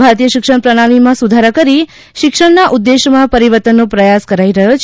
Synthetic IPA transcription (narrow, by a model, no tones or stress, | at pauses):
bʱaɾt̪ijəʃɪkʂəɳ̃pɾəɽ̃aɽ̃imãsud̪ʱaɾəkəɾi | ʃɪkʂəɽnaʔud̪ːeʃmãpəɾiʋəɾt̪ənːõpɾəjaskəɾaiɾəɦot͡ʃʰ